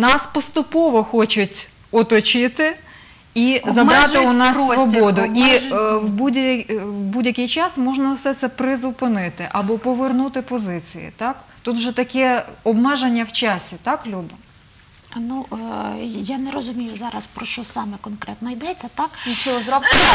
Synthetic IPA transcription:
nɑspɔst̪ʊpɔʋɔxɔt͡ʃʊtʲ | ɔt̪ɔt͡ʃɪt̪ɪ | izɐbɾɑt̪ɪʊnɑssʋɔbɔd̪ʊiwbudʲɐwbudʲjɐkʲɪjt͡ʃɑsmɔʒnɐwsɛt̪sɛpɾɪzʊpɪnɪt̪ɪʔɐbɔpɔʋernut̪ɪpɔzɪt͡sʲḭjḭt̪ɑkt̪ut̪wʒɛt̪ɐkɛɔbmɛʒenʲːɐwt͡ʃɑsʲit̪ɑklʲubɪ | nu | janɛɾɔzʊmʲijʊzɑɾɐspɾɔʃt͡ʃɔsɑmɛkɔnkɾɛt̪nɔid̪ɛt͡sʲːɐt̪ɑkit͡ʃʲɔɔzɾɔbsʲ

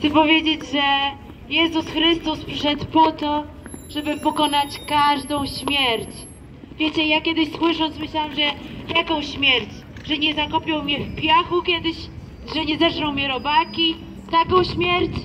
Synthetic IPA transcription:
ɛpɔvʲjed͡ʑed͡ʑʐɛ | jɛzusxɾɘst̪uspʂʂɛt̪pɔt̪ɔ | ʐɛbɘpɔkɔnat͡ɕkaʐd̪ɔ̃w̃ɕmʲjɛɾt͡ɕ | vʲjɛt͡ɕɛjakʲɛd̪ɘɕswɘʂɔnt̪smɘɕlawɛmʐɛjakɔ̃w̃ɕmʲjɛɾt͡ɕ | ʐɛɲɛzakɔpʲɔw̃mʲɲɛfpʲjaxukʲjɛd̪ɘɕ | ʐɛɲɛzɛʂnɔ̃w̃mʲɛɾɔbakʲi | t̪akɔ̃w̃ɕmʲjɛɾt͡ɕ

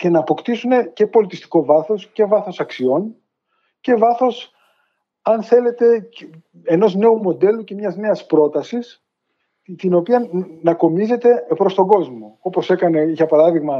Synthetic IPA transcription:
ce̞nɐːpo̞kt̪isune̞ce̞po̞lit̪ist̪i̥ko̞vɐθo̞sce̞vɐθo̞sɐksio̞n | ce̞vɐθo̞s | ɐnθe̞le̞t̪e̞ | eno̞zne̞umo̞d̪e̞luce̞mɲɐzne̞ɐspɾo̞t̪ɐsis | t̪ino̞piɐnɐko̞mize̞t̪e̞pɾo̞st̪o̞ɡo̞zmo̞o̞po̞se̞kɐne̞içɐpɐɾɐðiɣmɐ

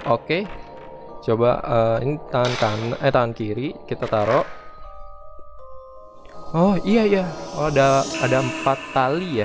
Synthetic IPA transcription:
oke | t͡ʃoba̰əinit̪aŋankanaʔat̪aŋankiɾikit̪at̪aɾoʔ | ɔhiaijaadaːdaəmpat̪̚kalija

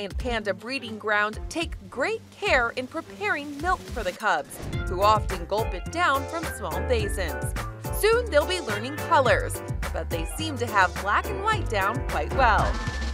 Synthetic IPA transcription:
ɨ̃npʰæ̃ntɨbɹiɾɪ̃ŋɡɹãʊ̃ntʰeɪkɡ̥ɹeɪt̚kʰɛɹɨ̃npʰɹ̥ipʰɛɹɪ̃ŋmɪlˠkfə˞ðɨkʰʌbz̥huɑfɨ̃nɡolˠpɨt̚d̥ãʊ̃nfɹʌ̃msmɔlˠbeɪsɨ̃nz̥sʉ̃nðeɪlˠbilɜ̃˞nɪ̃ŋkʰʌlˠə˞z̥ | b̥ʌt̪̚ðeɪsĩmtɨəv̥blækɨ̃nwaɪt̚d̥ãʊ̃nkʰw̥aɪt̚wɛlˠ

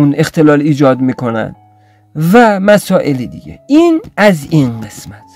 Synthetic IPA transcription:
une̞xt̪ʰe̞lɒːliːd͡ʒɒːd̪miːkʰo̞næ̰nd̪̥ | væmæsɒːʔelid̪ḭɟḛinæzinɢesmæt̪ʰ

